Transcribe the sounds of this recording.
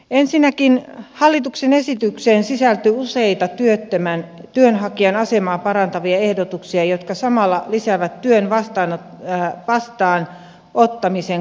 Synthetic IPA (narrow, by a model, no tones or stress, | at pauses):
ensinːækinhɑlːit̪uksenesit̪ykseːnsisælt̪yuseit̪ɑt̪yøt̪ːømæn | t̪yønhɑkiɑnɑsemɑːpɑrɑnt̪ɑʋiɑehdot̪uksiɑjot̪kɑsɑmɑlːɑlisæʋæt̪tyønʋɑst̪ɑːno | ʋɑst̪ɑːn | ot̪ːɑmiseŋ